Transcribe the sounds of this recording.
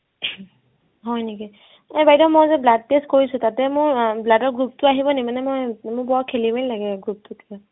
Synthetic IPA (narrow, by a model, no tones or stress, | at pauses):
ɦɔjniki | ɛbajdɔmɔjzɛblad̚peskoɹisʊtatɛmʊɹbladɔɹɡɹup̚tʊaɦibɔnimanɛmojmʊɹbɔɦɔt̚kʰelimeilaɡɛɡɹup̚tʊtia